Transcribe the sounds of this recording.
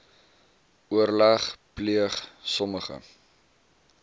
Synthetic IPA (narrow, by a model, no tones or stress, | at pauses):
uərlæχpliəχsɔməχə̰